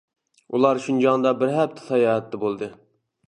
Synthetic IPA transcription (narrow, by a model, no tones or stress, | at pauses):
ulˠɑɾʃund͡ʒɑŋnd̪ɑbɪɾɦɛp̚t̪ʰɪ̥t̪ʰɑjɑːɦɛt̪ːɛbolˠd̪ɨ